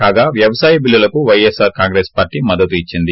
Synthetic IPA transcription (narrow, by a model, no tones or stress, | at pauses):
kaːɡaːʋjɐʋɐsaːjɐbilːɐlɐkuʋɐjesaːɾkaːŋɡɾeːspaːɾʈiːmɐd̪ːɐt̪uit͡ʃːind̪i